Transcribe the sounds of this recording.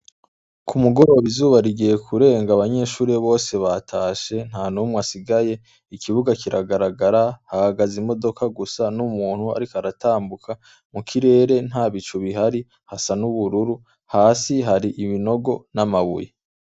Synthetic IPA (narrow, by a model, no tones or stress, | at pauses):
kʰumuɡo̞ɾo̞βizuːβaɾiɡije̞kʰuɾe̞ːŋɡaːβaɲe̞ːʃuːɾeβo̞ːse̞βatʰaːʃe̞n̥aːnumŋasiɡaje̞ | ikʰiβuɡakiɾʔaɡaɾaɡaɾahahaɡazimo̞do̞kaɡusanumuːn̥hua̰ɾikoaɾataːmbukʰa | mukʰiɾe̞ːɾe̞n̥haːβit͡ʃuβiɦaɾi | hasanuβuɾuɾu | haːsiɦaɾiʔiβino̞ɡo̞namaβṵje